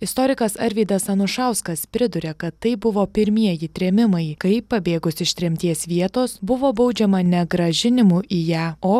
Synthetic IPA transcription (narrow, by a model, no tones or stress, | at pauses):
ɪst̪oːɾʲɪkɐsɐɾʲʋʲiːd̪ɐsɐnʊʃɑˑʊskɐspʲɾʲɪd̪ʊɾʲeːkɐt̪ːɐɪbʊʋoːpʲɪɾʲmʲiɛjit̪ʲɾʲeːmʲɪmɐɪkɐɪpɐbʲeːɡʊsʲɪʃt̪ʲɾʲɛmʲt̪ʲiɛsʋʲiɛt̪oːsbʊʋoːbɐʊd͡ʒʲɛmɐnʲɛɡɾɐʒʲɪnʲɪmuːʔijæːoː